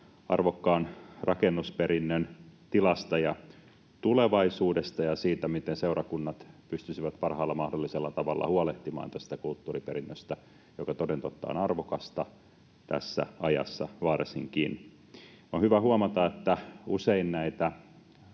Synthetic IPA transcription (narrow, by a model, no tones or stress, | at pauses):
ɑ̰rʋokːɑːnrɑkenːuspeɾinːønt̪ilɑst̪ɑjɑ | t̪uleʋɑisuːdest̪ɑjɑsiːt̪æmit̪enseurɑkunːɑt̪pyst̪ysiʋæt̪pɑrhɑːlːɑmɑhdolːiselːɑt̪ɑʋɑ̰lːɑ̰huɑleht̪imɑ̰ːnt̪æst̪ækult̪ːuːripeɾinːøst̪æ | jokɑt̪odent̪ot̪ːɑ̰ːnɑrʋokɑst̪ɑ | t̪æ̰sːæ̰ɑjɑ̰sːɑ̰ʋɑresiŋkin | onhyʋæhuɑmɑt̪ɑet̪ːæuseinnæit̪æ